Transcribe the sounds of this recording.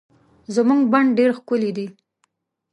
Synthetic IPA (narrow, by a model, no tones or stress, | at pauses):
zəmuŋɡbaɳɖɖeɾxkʊlid̪i